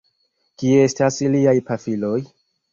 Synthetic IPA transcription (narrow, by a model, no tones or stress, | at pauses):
kiestasiliajpafilo̞j